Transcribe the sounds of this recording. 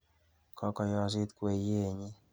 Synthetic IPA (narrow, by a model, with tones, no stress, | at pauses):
kɔ˦kɔ˧jɔ˧zi˦t̪kwe˨je˦˨ɲɪ˦